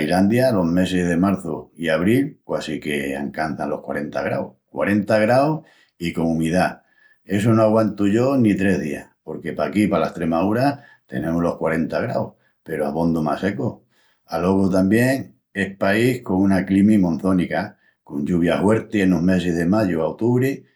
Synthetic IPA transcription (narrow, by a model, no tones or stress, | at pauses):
iland̪jalo̞ɦme̞se̞ɦðe̞maɾθoiaβ̞ɾilkwasike̞a̰ŋkan̟θanlo̞hkwa̰ɾe̞nt̪a̰ɣɾa̰whkwa̰ɾe̞nt̪aɣɾaw | iko̞ŋũmiða | e̞s̬onoaɣwant̪uʝo̞nit̪ɾe̞ɦðiahpo̞ɾke̞pakipalaest̪ɾe̞maðuɾa | t̪e̞̰nẽ̞moɦlo̞hkwaɾe̞nt̪aɣɾawh | pe̞ɾoa̰βo̞nd̪oma̰se̞ko | alo̞ɣot̪ambje̞ŋ | e̞hpaihko̞ŋũnaklimimõ̞n̟θo̞nika | ko̞ɲʎuβ̞jahwe̞ɾt̪ienoɦme̞seɦðe̞maʎuaot̪uβɾi